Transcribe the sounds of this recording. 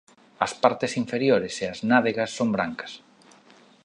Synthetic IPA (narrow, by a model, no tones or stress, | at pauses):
ɐspaɾt̪ɪsiɱfeɾjoɾeseɐznaðeɣɐsːombɾaŋkɐ̥s